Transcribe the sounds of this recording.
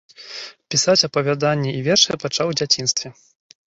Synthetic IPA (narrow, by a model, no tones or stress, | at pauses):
pʲisat͡sʲɐpɐvʲad̪anʲːɛivʲɛrʂɨjɐpat͡ʂawd͡zʲat͡sʲinst̪vʲɛ